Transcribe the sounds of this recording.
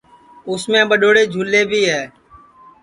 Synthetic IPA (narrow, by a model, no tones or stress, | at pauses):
ʊsmẽːɓəɗoːɽeːd͡ʒʱuːlːeːbʱiːɦɛː